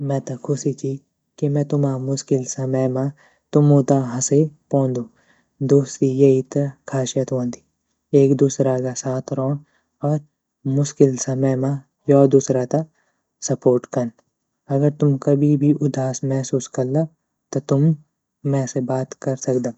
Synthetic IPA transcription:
mɛ̃ːt̪akʰʊsit͡ʃʰi | kimɛ̃ːt̪ʊmaːmʊʃkɪlsɐməjmã | t̪ʊmõːt̪aɦɐ̃sepõːnd̪uː | d̪oːst̪ijeit̪kʰaːʃijət̪ʋõːnd̪i | eːkd̪uːsɾakasaːt̪ʰɾɔ̃ | ɔːɾ | mʊʃkɪlsɐməjmã | jɔːd̪uːsɾat̪a | sɐpoːɾʈkɐn | ɐɡəɾt̪ʊmkɐbʱibʱiʔʊd̪aːsmɛɦsuːskɐɾlaː | t̪ot̪ʊmː | ɛ̃ːsebaːt̪kɐɾsɐkd̪aː

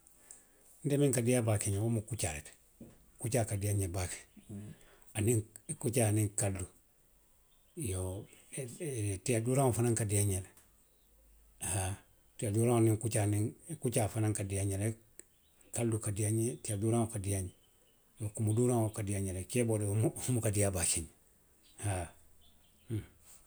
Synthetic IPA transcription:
ndemiŋkadijabakeɲawomukut͡ʃa̰ɾḛt | kut͡ʃakadijaɲebake̥ | aniŋ | kut͡ʃaːaniŋkalːu | jo | tiaduɾaŋofanaŋkadiaɲele | ha | tiaduɾaŋoniŋkut͡ʃaniŋkut͡ʃaːfanaŋkadijaɲele | kalːukadiaɲetiaduɾaŋokadijaɲe | mokumuduɾaŋokadijaɲelekebodmuumukadijabat͡ʃiɲ | ha

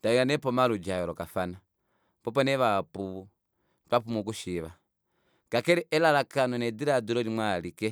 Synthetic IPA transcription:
taiŋɡanɛpɔmalud͡ʒajɔɾɔkafana | pɔpɔnɛβapuβu | tapumuk̬uʃiβa | kakɛɾɛʔɛlalakanɔnɛdiɾaduɾɔlimwaːlikɛ

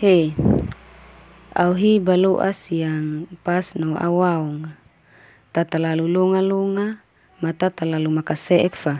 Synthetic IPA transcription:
he | a̰uɦibaloʔa̰siaŋpasnoa̰waɔŋ | t̪at̪alalulɔŋalɔŋa | mat̪at̪alalumakasɛʔɛkfa

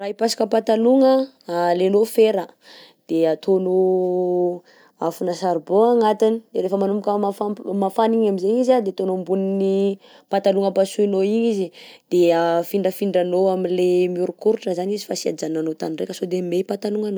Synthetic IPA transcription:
raipasḁkəpat̪aluŋə | lenofeɾə | d̪̥eat̪ʰono | afunasaɾuboaŋat̪inid̪eɾefəmanumukʲəmafamafaniɲamizeɲizad̪et̪onombunini | pat̪aluŋəpasuinoiɲizid̪̥eafiɳɖ͡ʐəfiɳɖ͡ʐanoaminlemiuɾukuɾuʈ͡ʂəzanizifasia̰d͡ʒananot̪aninrekʲəsod̪emepat̪aluŋano

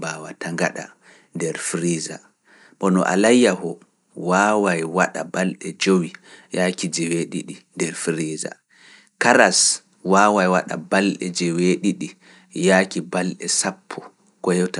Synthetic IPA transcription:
bawataŋɡaɗa̰ | ndɛɾfɾiza̰ | ɓɔnɔ̰ʔa̰lajːahɔ | waːwajwaɗa̰balɗɛd͡ʒowijakid͡ʒɛweɗḭɗindɛɾfɾiːza̰ | kaɾas | waːwajwaɗa̰balɗɛ̰d͡ʒɛweɗiɗi | jakibalɗɛ̰sapʰːɔ | kɔjɔta

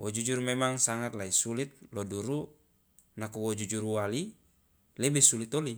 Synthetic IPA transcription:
wɔd͡ʒud͡ʒuɾmɛmaŋsaŋat̪̚laisulit̪̚lɔduɾu | nakuwɔd͡ʒud͡ʒuɾuwali | lɛbɛsulit̪ɔli

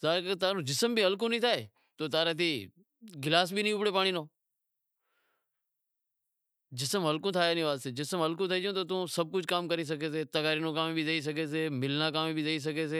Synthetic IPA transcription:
zaːkːt̪aːnũːd͡ʒɪsəmbʱiːɦəlkõnĩːt̪ʰaːeː | t̪oːt̪aːɾẽːt̪̬ʰiː | ɡɪlaːs̬bʱiːnĩːʊpɽeːpaːɳ̃iːnoː | d͡ʒɪsəmɦəlkõːt̪ʰaːenĩːʋaːseːd͡ʒɪsəmɦəlkõt̪ʰəid͡ʒjõːt̪̬oːt̪ũːsəb̚kʊd͡ʒkaːmkəɾis̬əkeːseːt̪əɡaːɾiːnũːkaːmbʱizəis̬əkeːs̬eːmɪlnãːkaːmibʱizəis̬əɡeːs̬eː

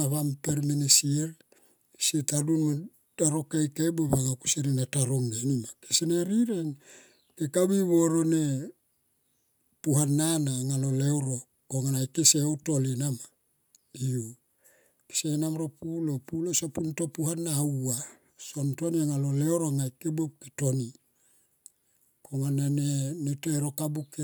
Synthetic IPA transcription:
aβampeɾmenesieɾ | sietadunma | d̥aɾokajkejbeβaŋakuseɾinetaɾoŋnenimakeseneɾiɾeŋ | kekaβiβo̞ɾo̞ne | puɦanːanaŋalolewɾo | koŋanajkeseotolinama | io | ke̥senamɾopulopulosopunto̞puhanːawa | sontoniaŋaloleoɾoŋajkebop̚ketoni | koŋanenenetoeɾo̞kabuke

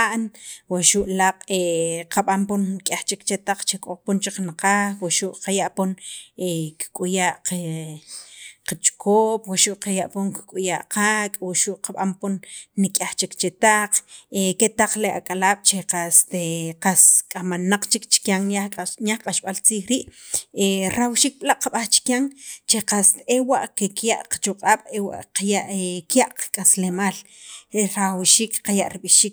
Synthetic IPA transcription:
aʔnwaʃuʔlaqʼeqaɓamponnikʼaχt͡ʃikt͡ʃet̪aq͡χt͡ʃekʼoχpont͡ʃiknaqaxwaʃuʔqajaʔponeki̥kʼujaːʔqe | qat͡ʃʼkʰoːpwaʃuʔqajaʔpoŋkkʼujaʔqakʼwaʃuʔqaɓamponːikʼjaχt͡ʃikt͡ʃet̪aq͡χeket̪aq͡χlea̰kʼalaːɓ̥t͡ʃeqast̪eqaskʼamanaq͡χt͡ʃikt͡ʃi̥kjaŋanjaχqʼaʃɓalt͡siːxɾiːʔeɾawʃiːk̚ɓʼlaʔqaɓaχt͡ʃi̥kjaŋt͡ʃeqast̪ewaʔkekjaʔqḁt͡ʃuqʼaːɓ̥ewa̰ʔqajaʔkjaʔqḁkʼaslemaːl | ɾawʃiːkqajaʔɾiɓiʃiːk̚

